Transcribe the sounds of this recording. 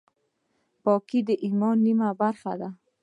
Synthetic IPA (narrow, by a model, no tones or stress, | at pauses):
pɑkid̪əʔimɔnːimabaɾxa̰d̪a